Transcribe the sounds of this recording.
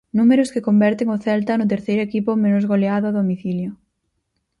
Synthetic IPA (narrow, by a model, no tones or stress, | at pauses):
numeɾʊskekombɛɾt̪eŋʊθɛlt̪ɐnʊt̪̬eɾθejɾoekipʊmẽnʊzɣoleaðʊaðomiθiljo